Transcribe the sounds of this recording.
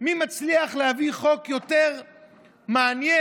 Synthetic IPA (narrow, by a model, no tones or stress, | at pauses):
mimat͡sliaχlehaviχo̞kjo̞te̞ʁ | maːnje